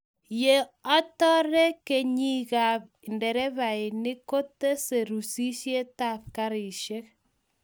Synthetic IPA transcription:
je˨ɔ˦tɔ˦ɾɛ˦ke˨ɲi˦ɣa˨bndɛ˨ɾɛ˦βa˨ɪ˨nɪ˦ko˦te˦se˨ɾu˨si˦ʃje˦ta˦˨p̚ka˦ɾɪ˨ʃe˦k

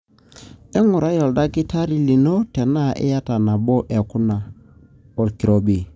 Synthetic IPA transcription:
ɛ˦ŋʊ˨ɾa˦jɔ˨lda˦kɪ˦ta˦ɾi˨li˨no˦tɛ˨na˦˨ʔɛ̰˦ja˦ta˨na˨bɔ˦ʔɛ˨kʊ˦na˨ | ɔ˨lki˨ɾo˨bi˨

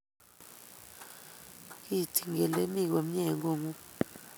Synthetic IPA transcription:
i˦˨tʰi˨ŋɛ˨le˦mi˦˨k̬o˨m̩˦ɲɛ˨ŋɡo˦˨ŋu˦

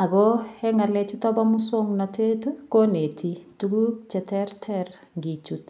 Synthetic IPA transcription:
a˨kɔ˦hɛ˦ŋa˨lɛ˨t͡ʃu˦tɔ˦ba˦mʊ˦sɔ˦ŋna˨te˦tu˦ko˦ne˨tʰi˦tu˦ku˦t͡ʃɛ˨tɛ˦rtʰɛr | ŋɡi˨t͡ʃut

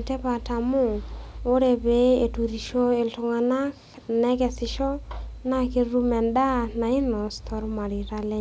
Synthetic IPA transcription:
te˦pa˨ta˨mʊ˦˨o˦ɾe˨be˨˦e˨tu˨ɾi˨ʃo˦e˨ltʊ˨ŋa˨na˦k | nɛ˦kɛ˨sɪ˨ʃɔ˦na˦ki˦ɾu˦mɛ˨nda˦na˨ɪ˦nɔ˨stʰɔ˦ɾma˨ɾi˨ɾa˦lɛ˦

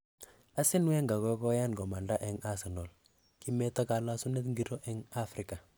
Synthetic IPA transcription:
a˦sɪ˦nwe˦ŋɡa˨kɔ˦kɔ˦ja˦nɡɔ˨ma˨nda˦ʔɛ˨ŋa˦sɛ˨no˨l | ki˦mɛ˦ta˦ka˨la˦su˦ne˦t̪ŋɡi˨ɾo˦ʔɛ˦ŋa˦fɾɪ˦ka˨

